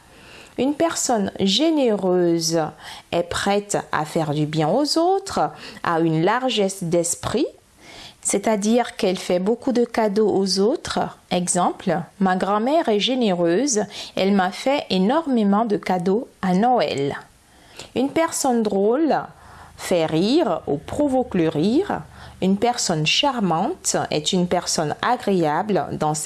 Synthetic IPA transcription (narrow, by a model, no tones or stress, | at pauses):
ynpɛʁsɔnʒeneʁøzɛpχɛt̪a̰fɛʁd̪ybjɛ̃ozot̪χa̰ynlaʁʒɛsd̪ɛspχi | set̪ad̪iʁkɛlfɛbokud̪əkad̪oʔozot̪χɛɡzɑ̃plmaɡʁɑ̃mɛʁɛʒeneʁøzɛlmafɛʔenɔʁmemɑ̃d̪əkad̪oanɔɛ̰l | ynpɛʁsɔnd̪ʁol | fɛʁiʁopχovɔkləʁiʁynpɛʁsɔnʃaʁmɑ̃t̪ɛ̰t̪ynpɛʁsɔna̰ɡʁeabld̪ɑ̃s